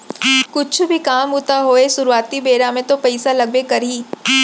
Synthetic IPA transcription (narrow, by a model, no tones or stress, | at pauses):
kʊt͡ʃʰbʱikaːmʊt̪aɦoːesʊɾuaːt̪ibeːɾamẽt̪opɐɪsalɐɡ̚bekɐɾiː